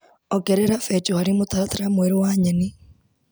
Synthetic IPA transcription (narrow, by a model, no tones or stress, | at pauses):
ɔkɛɾɛɾafɛt͡ʃoaɾimotaɾataɾamoeɾowaɲeni